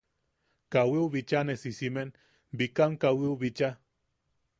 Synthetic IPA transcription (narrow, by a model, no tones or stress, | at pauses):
kawiuβit͡ʃanesisimen | bikamkawiuβit͡ʃa